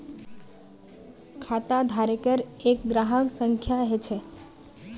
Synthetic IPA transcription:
kʰat̪ad̪ʱaɾekəɾek̚ɡɾaɦəksəŋkʰjaɦet͡ʃʰɛ

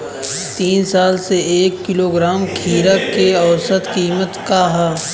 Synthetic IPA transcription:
t̪iːnsaːlseeːkːɪloːɡɾaːmkʰiːɾəkːeɔːsət̪kiːmət̪kaːɦa

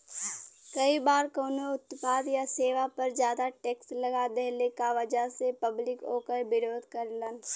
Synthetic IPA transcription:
kəibaːɾkoːnoʊt̪paːd̪jaseːʋapəɾd͡ʒjaːd̪aʈeːksʈləɡad̪ɛɦlekaʋəd͡ʒasepəblɪkoːkəɾbɪɾoːd̪ʱkəɾlən

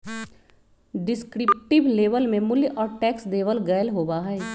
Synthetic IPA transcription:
ɖɪskɾɪp̚ʈɪbleːʋəlmẽmʊljʔɔːɾʈɛːksleːʋəlɡɐjəlɦoːbaɦɛː

